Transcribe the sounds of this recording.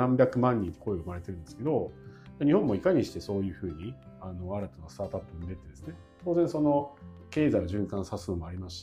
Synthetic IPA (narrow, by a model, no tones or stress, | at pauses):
ãmbʲjakɯ̟mãɲ̟ːĩɲiko̞ioɯmaɾe̞t̪e̞ɾɯ̟̃nd̪esɨ̥ke̞o̞d͡ʑaɲ̟ihõmːo̞ikaɲ̟iɕi̥t̪e̞so̞ːjɯ̟ːɸɯ̟ːɲ̟iano̞aɾat̪anost̪aːt̪at̪ːoɯ̟nd̪e̞t̪ːed̪e̞sɨne̞ | t̪oːzẽɰ̃so̞no̞ke̞ːzaɡoʑɨ̃ŋkãɰ̃sasɨno̞mo̞aɾʲimaɕi̥t̪